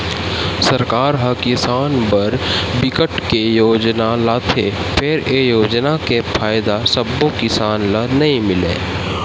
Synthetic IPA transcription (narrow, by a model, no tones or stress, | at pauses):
sɐɾkaːɾɦɐkɪsaːnbɐɾbɪkəʈkejoːd͡ʒnalaːt̪ʰe | pʰeɾejoːd͡ʒnakepʰaːjd̪asɐbːõkɪsaːnlanɐɦĩmɪlḛː